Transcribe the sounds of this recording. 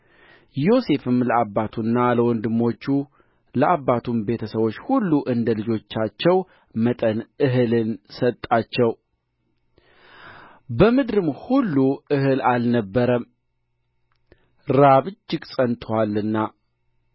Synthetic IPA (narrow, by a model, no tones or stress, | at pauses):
jo̞se̞fɨmləabːat̪ʰunːaləwɔnd̪ɨmːo̞t͡ʃːu | ləʔabːat̪ʰumbe̞t̪ʰəsəβo̞t͡ʃːhulːuʔɨnd̪əlɨd͡ʒo̞t͡ʃːat͡ʃːɛw | mət̪ʼənɨɦɨlɨnsət̪ʼːat͡ʃːɛw | bəmɨd̪ɾɨmhulːuɨhɨlalnəbːəɾəm | ɾaβɨd͡ʒːɪɡsʼənt̪ʰwalːɨnːa